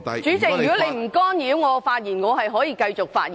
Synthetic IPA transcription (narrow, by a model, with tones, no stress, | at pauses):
t͡ʃyː˨˥t͡sɪ˨jy˨kɔ˨˥le˨˧jm̩˨˩kɔː˥njiː˨˥wŋɔː˨˧faː˧t̚jiː˨˩nŋɔː˨˧ɦɐ˨jɦɔː˨˥jiː˧kɐ˧jt͡sʊ˨k̚fa̰ː˧t̚jiː˨